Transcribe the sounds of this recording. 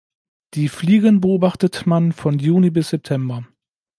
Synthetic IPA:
d̥iːfliːɡənbəoːbaχtətmanfɔnjuːnibɪsz̥ɛp̚tʰɛmbɐ

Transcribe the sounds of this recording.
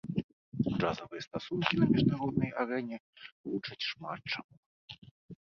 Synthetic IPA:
d͡ʐazɐvɨjɛst̪asunkʲinɐmʲɛʐnaɾɔd̪nɐjaɾɛnʲɛlˠut͡ʂɐt͡sʲʂmat̪̚t͡ʂamu

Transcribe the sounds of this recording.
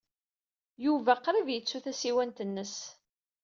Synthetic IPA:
juvæqɾivjət͡sːuθæsiwænt̪ənːəs

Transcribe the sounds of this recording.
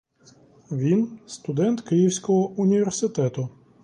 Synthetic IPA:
ʋʲinst̪ʊd̪ɛnt̪kɪjiwsʲkɔɦɔʊnʲiʋʲersɪt̪ɛt̪ʊ

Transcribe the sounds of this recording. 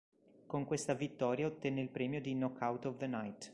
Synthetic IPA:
koŋkwest̪avit̪ːɔːɾjaot̪ːɛnːeilpɾɛːmjod̪inɔkʰːawt̪ɔvd̪ənajt̪

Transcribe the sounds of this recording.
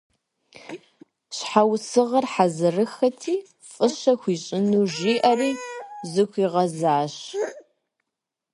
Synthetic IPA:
ɕħawsɨʁɐrħazɨrɨxɐtʰiː | fʼɨɕɐxʷiːɕʼɪnuːʒiːʔɐriːzɨxʷiːʁɐzaːɕ

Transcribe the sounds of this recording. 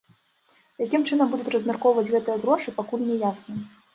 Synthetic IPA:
jakʲimt͡ʂɨn̪ɐmbud̪utʲt͡sʲrɐzʲmʲɛrkɔwvɐt͡sʲɣɛt̪ɨjɐɣɾɔʂɨpakulʲnʲɛjasnɐ

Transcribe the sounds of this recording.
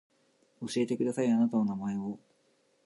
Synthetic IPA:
o̞ɕie̞t̪e̞kɯ̟d̪asaianat̪ano̞namae̞o

